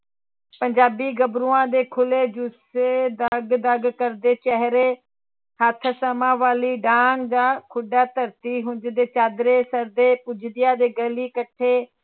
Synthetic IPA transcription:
pə̃ɲd͡ʒaːbiːɡəbɾuːãːd̪eːkʰʊled͡ʒused̪əɡd̪əɡkəɾd̪eːt͡ʃɛɦɾeː | hət̪ʰsəmãːʋaːliːɖaːŋɡd͡ʒ̪aːkʰʊɖaːt̪əɾt̪iːɦʊ̃d͡ʒd̪eːt͡ʃaːd̪ɾeːsəɾd̪eːpʊd͡ʒʱd̪ɪjaːd̪eːɡəliːkəʈʰeː

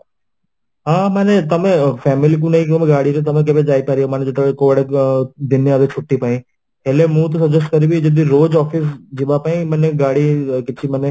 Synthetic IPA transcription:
ɦãːmɛːnet̪ɐmẽfɛːmɪlik̬ũnɐɦĩkt̪ɐmẽɡaːɽit̪et̪̬ɐmẽk̬ebed͡ʒaːipaːɾiomɛːned͡ʒɐd̪ɐekoːɽed̪ɪnːead̪et͡ʃʰʊʈːipaːĩ | ɦeːlemũːt̪̬osɐd͡ʒesʈkɐɾibid͡ʒɐd̪iɾoːd͡ʒɔːfɪs̬d͡ʒɪʋapaːĩmɛːneɡaːɽikɪtːʃʰimɛne

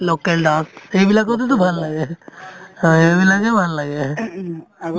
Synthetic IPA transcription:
lokelɖãtebilakɔt̪et̪̬ɔbʱalːaɡɛ | ebilad͡ʒɛbʱalːaɡɛ

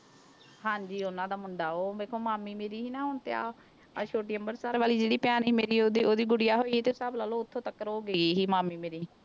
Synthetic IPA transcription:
ɦãːɲd͡ʒiːʊnãːd̪aːmʊɳɖaːoːbeːkʰːoːmaːmːiːmeːɾiːɦiːnãːɦʊɳt̪ea̰ː | t͡ʃʰoːʈiːəmbəɾsaːɾʋaːliːd͡ʒeːɽiːpɪjaːniːmeːɾiːod̪iːoːd̪iːɡʊɽɪjaːɦoːiːiːt̪eːsəblaːloːʊt̪ʰːõːt̪əkːəɾoːɡəiɦiːmaːmːiːmeːɾiː

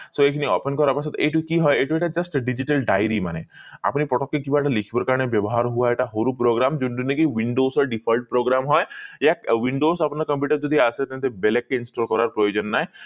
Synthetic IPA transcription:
soekʰinio̰penkɔɾaɾpasʰɔt̪eʈukiɦɔjeʈueʈad͡ʒɐsʈɖid͡ʒiʈəlɖajɾimanea̰pnipɾɔʈɔkːekibaʈalikʰibɔɾkaɾɽ̃ebjɔbɔɦaɾɦuaeʈaɦoɾupɾoɡɾamd͡ʒunɖunːekiʋiɳɖosɔɾɖipʰɔlʈ̚pɾoɡɾamɦɔjjaʋiɳɖosapnakəmpjuʈəɾd͡ʒɔd̪ʱiaset̪ẽt̪ebelekːeinsʈɔlkɔɾaɾpɾɔjod͡ʒɔnːaːe

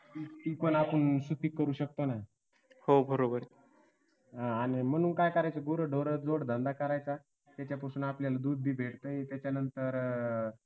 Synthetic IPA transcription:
iipəɳapəɳsut̪ʰiːkːəɾuːɕək̚t̪ona | hobʱəɾobəɾe | ɦãaɽ̃im̤əɽ̃uːnkajkəɾajt͡saɡoɾəɖoɾəd͡zoɽd̪ənd̪akəɾajt͡sa | t̪jat͡ɕjapəsuːnapljalad̪ud̪̚bʱiːbʱeɽt̪əit̪jat͡ɕjanənt̪əɾ

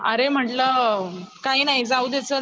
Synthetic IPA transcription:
ə̰ɾem̤əɳʈləkainaɦjid͡zauːd̪jat͡sə

